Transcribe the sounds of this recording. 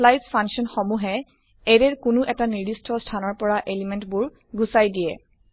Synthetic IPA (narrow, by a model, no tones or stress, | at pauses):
lajspʰaŋsiɔnxɔmuɦɛ | ɛɹɛɹkʊnʊʔɛtaniɹdistʰɔstʰanɔɹpɔɹaʔelimɛntbʊɹ | ɡusajdijɛ̰